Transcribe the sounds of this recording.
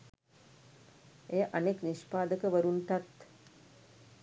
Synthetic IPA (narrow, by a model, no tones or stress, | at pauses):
eːʔanekniʃpaːd̪əkəʋəɾunt̪at̪